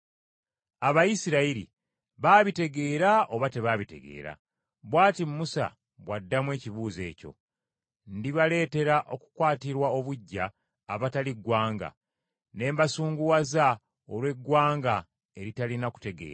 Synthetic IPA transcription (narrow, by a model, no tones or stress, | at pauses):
aβajisiɾaiɾḭ | βaːβite̞ɡe̞ːɾao̞βate̞βaβite̞̰ɡe̞̰ːɾa̰ | βwaːtimmusa̰ | βwadːamwe̞ːciβuːze̞̰ːco̞̰ | ndiβale̞ːte̞ɾaʔo̞ku̥kwaːtiɾwao̞βuɟːaː | βataliɡwaːŋɡa̰ | ne̞ːmbasuːŋɡuwaza | olwe̞ɡwaːŋɡa | e̞ɾitalinaku̥te̞ɡḛːɾa